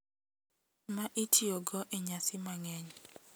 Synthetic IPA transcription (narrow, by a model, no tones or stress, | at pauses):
maʔitioɡɔʔeɲasɪmaŋɛɲ